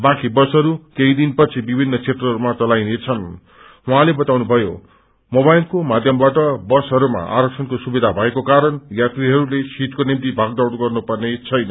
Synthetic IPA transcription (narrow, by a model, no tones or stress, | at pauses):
bãkibʌsɦʌɾukeid̪inpʌt͡sʰibibʱinːʌt͡sʰet̪rʌɦʌɾumat͡sʌlajnet͡sʰʌn | uɦãlebʌt̪awnubʱʌjo̰ | mobajlkomad̪ʱjʌmbaʈʌbʌsɦʌɾuma̰ʔa̰ɾʌksʰʌnkosubid̪ʱabʱʌekokaɾʌnjat̪riɦʌɾulesiʈkonimt̪ibʱaɡ̚d̪ʌwɽɡʌrnupʌrnet͡sʰʌjnʌ